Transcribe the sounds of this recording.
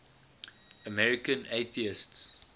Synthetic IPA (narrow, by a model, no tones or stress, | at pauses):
əmɛɹikə̃neθiɪsts